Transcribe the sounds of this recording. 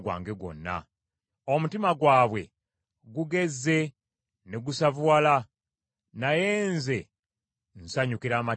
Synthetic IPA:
ɡwa̰ːŋɡe̞ɡo̞̰nːa̰ | omutimaɡwaːβwe̞ | ɡuɡe̞zːe̞ | neɡusavuwala | naje̞ːnze̞ | n̩saɲukiɾaːma

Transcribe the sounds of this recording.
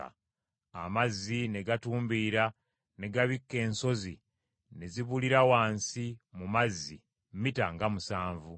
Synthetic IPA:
a̰ | a̰mazːine̞ɡatuːmbiːɾa | ne̞ɡaβikːe̞ːnso̞zi | ne̞ziβuliɾawaːnsimumazːi | mmitaŋɡamusaːɱvu

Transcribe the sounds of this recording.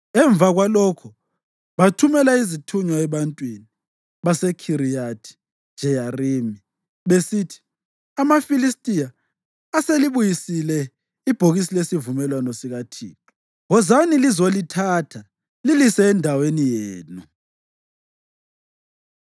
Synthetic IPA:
ɛɱb̪vaɣwalɔkʰɔ | βatʰumɛlaizitʰuɲwaɛβantʼwini | βasɛkʰiɾijatʰi̥ | d͡ʒ̥ʱɛjarimi | βesitʰi̥ | amafilistʼijaː | seliβujisilɛ | ib̥ʱoɣis̬ilesivumɛlwanɔsiɣatʰiːtʰʼɔ̥ | ɣɔzanilizolitʰatʰa | lilisɛːndʱawenijeːnu

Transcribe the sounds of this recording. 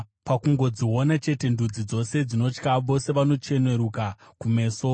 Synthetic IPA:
pakuŋɡo̞d͡ziwo̞nat͡ʃe̞te̞ndud͡zid͡zo̞se̞d͡zino̞t͡ʃkaʋo̞se̞ʋano̞t͡ʃe̞ne̞ɾuka | kume̞ːso

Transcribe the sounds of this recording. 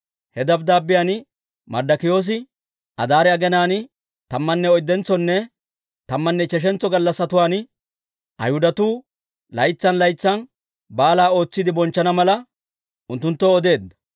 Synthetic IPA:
hɛd̪ɐbd̪aːbːɪjan | mɐ̰ɾd̪ɐkɪjo̞ːs̬ɪ | ʔɐ̰d̪aːɾɛɐɡɛnaːnɪ | t̪ɐmːɐnːɛɔjd̪ːɛnt͡sːɔnːɛ | t̪ɐmːɐnːɛt͡ʃɛʃ̬ɛnt͡sːɔɡɐlːɐsːɐt̪ʊwaːn | ʔɐ̰jhʊd̪ɐt̪uː | lɐjt͡sːɐnlɐjt͡sːɐn | baːlaːo̞ːt͡sːɪd̪ɪbɔnt͡ʃːɐnɐmɐlɐ | ʊnt̪ːʊnt̪ːɔɔd̪e̞ːd̪ːɐ̥

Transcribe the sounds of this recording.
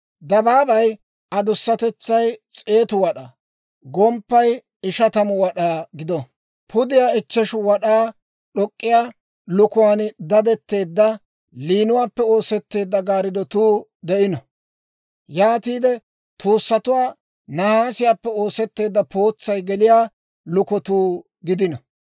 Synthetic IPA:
d̪ɐbaːbɐj | ɐd̪ʊsːɐt̪ɛt͡sːɐjt͡sʼe̞ːt̪ʊwɐɗa | ɡɔmpːɐj | ɪʃɐt̪ɐmʊwɐɗaːɡɪd̪ɔ | pʊd̪ɪjaːɪt͡ʃːɛʃwɐɗaː | ɗɔkʼːɪjaː | lʊkʊwaːnd̪ɐd̪ɛt̪ːe̞ːd̪ːɐ | liːnʊwaːpːɛo̞ːsɛt̪ːe̞ːd̪ːɐɡaːɾɪd̪ɔt̪uːd̪ɛʔɪnɔ | jaːt̪iːd̪ɛ | t̪uːsːɐt̪ʊwaː | nɐhaːsɪjaːpːɛo̞ːsɛt̪ːe̞ːd̪ːɐpo̞ːt͡sːɐjɡɛlɪjaː | lʊkɔt̪uː | ɡɪd̪ɪnɔ

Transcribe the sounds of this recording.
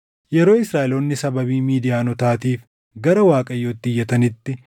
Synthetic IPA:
jɛɾoːɪsɾaːʔɪlo̞ːnːɪsɐbɐbiːmiːd̪ɪjaːnɔt̪aːt̪iːf | ɡɐɾɐwaːkʼɐjːoːt̪ːɪjːɐt̪ɐnɪt̪ːɪ

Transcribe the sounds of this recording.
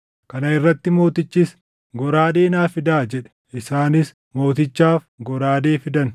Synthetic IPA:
kɐnɐɪrːɐt̪ːɪmo̞ːt̪ɪt͡ʃːɪs | ɡɔɾaːd̪e̞ːnaːfɪd̪aːd͡ʒɛᶑɛ̥ | ʔɪsaːnɪs | mo̞ːt̪ɪt͡ʃːaːf | ɡɔɾaːd̪eːfɪd̪ɐn

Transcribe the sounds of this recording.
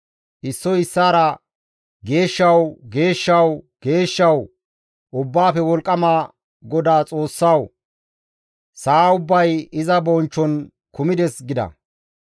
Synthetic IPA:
ʔɪsːɔɪsːaːɾɐ | ɡe̞ːʃːɐwɡe̞ːʃːɐw | ɡ̥e̞ːʃːɐw | ʔʊbːaːfɛwɔlkʼːɐmaː | ɡɔd̪aːt͡sʼo̞ːsːɐw | saːʊbːɐjɪzɐbɔnt͡ʃːɔn | kʊmɪd̪ɛsɡɪd̪ɐ̰

